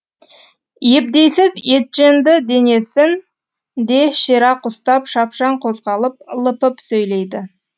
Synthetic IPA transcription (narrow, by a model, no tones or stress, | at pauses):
je̞b̚d̪e̞jsɪzet̪̚ʒend̪ɪd̪e̞ne̞sɪn | d̪e̞ʃeɾɑqʊst̪ɑpʃɑpʃɑɴqʰo̞zʁɑlˠəp̚lˠəpəpsɵjle̞jd̪ɪ